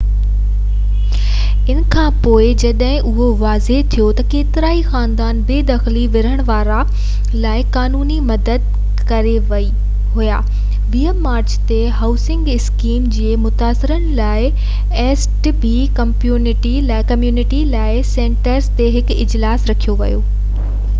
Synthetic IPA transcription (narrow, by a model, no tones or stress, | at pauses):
ɪn̆kʰãːpoːɪd͡ʑɐɗɦɪ̃ʔʊɦoʋaːzet̪ʰijot̪ɐkeːt̪ɪɾaːixaːnd̪aːnbeːd̪ɐxliʋɪɾəɽ̃ʋaːɾa | laːɪkaːnuːnimɐd̪əd̪̚ | kɐɾeʋɐi | ɦuja̰ː | ʋiəmːaːɾt͡ɕt̪eɦaːʊsɪ̃ŋɡɪskiːmd͡ʑeːmʊt̪aːsɪɾənɪ̆laːɪ | eːsʈbi | kɐmpjuːnɪʈilakɐmjuːnɪʈilaːɪsẽːɳʈəɾzt̪eɦɪkɪd͡ʑlaːsɾɐkʰijoʋɐjoː